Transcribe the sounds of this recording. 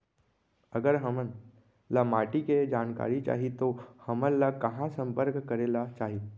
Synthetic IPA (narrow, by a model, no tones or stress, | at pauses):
əɡəɾɦəmən | lamaːʈiked͡ʒaːnka̰ːɾit͡ʃa̰ːɦit̪ohəmənlakɐɦãsə̃mpəɾkkəɾeːlat͡ʃaːɦi